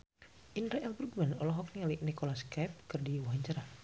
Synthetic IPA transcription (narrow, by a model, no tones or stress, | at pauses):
ʔinɾaʔɛlburɡmanɔlɔɦɔk̚nialinikɔlaskajp̚kɨrdiwuɦaɲt͡ʃaɾa